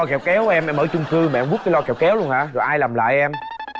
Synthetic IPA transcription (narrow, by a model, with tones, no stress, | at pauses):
ɔ˧kɛ˨˩wkɛ˨˦wʔɛ˧mʔɛ˧mʔəː˧˩˦t͡ɕʊ˧ŋ͡mkɨ˧mɛ̰˨˧˨mɓu˦˥t̚kaː˨˦jlɔ˧kɛ˨˩wkɛ˨˦wlu˧ənha̰ː˧˥zɔ˨˩jʔaː˧jlaː˨˩mla̰ː˧˨jʔɛ˧m